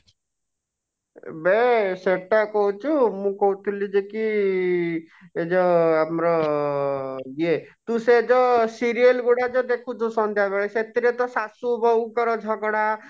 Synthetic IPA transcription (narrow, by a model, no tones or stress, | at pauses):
beseʈːakɔɦut͡ʃʰumũkɔɦut̪ʰulid͡ʒeki | ed͡ʒɔamɾɔ | jet̪ũsed͡ʒɔsiɾijelɡuɽad͡ʒɔd̪ekʰũt͡ʃ̪ʰusɔnt̪ʰjabeɭeset̪iɾet̪ɔsasubɔkɔɾɔd͡ʒʱɔɡɽa